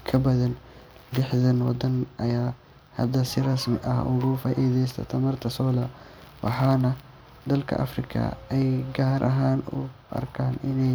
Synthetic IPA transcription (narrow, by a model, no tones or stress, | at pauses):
kʰɐbɐðɐndɪħdɐnwɑd̪ɐnʔɐjaː | hɐd̪ɐsɪrɐsmɪʔɐhʊ̰ɣʊfaːʔiːðɛjs̬t̪ʰɐ̰t̪ʰɐmɐrt̪ʰɐsɔːlɐ | wɑ̰ħɑːnɐ | d̪ɐlkʰɐ̰ʔɐ̰frɪkʰɐ̰ɛjɡaːɾʔɐ̰ɦaːnʊ̰ʔɐ̰rkʰaːnʔɪnɛj